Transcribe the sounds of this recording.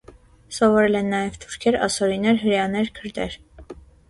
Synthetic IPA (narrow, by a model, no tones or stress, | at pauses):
sɔvɔɾɛlɛnːɑjɛvt̪ʰuɾkʰɛɾɑ̰sɔɾinɛɾɦəɾjɑnɛɾkʰəɾd̪ɛɾ